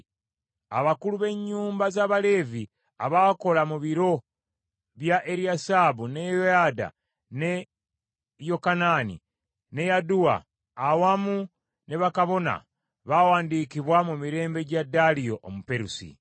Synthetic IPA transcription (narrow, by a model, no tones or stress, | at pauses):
aβakuluβe̞ɲːuːmbazaːβale̞ːvi | aβaːko̞lamuβiɾo̞ | βjaʔe̞ɾiasabune̞joada̰ | ne̞ | jo̞kanaːnḭ | ne̞jaduwa̰ː | wamu | ne̞βakaβo̞na̰ | βawaːndikiβwamumiɾe̞ːmbe̞ɟadalio̞ʔomupe̞ɾusḭ